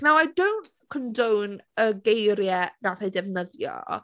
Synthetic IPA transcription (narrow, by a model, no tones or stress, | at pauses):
nawajdownt | kʰɔndownəɡejɾjɛnaθajdɛvnəðjɔ̰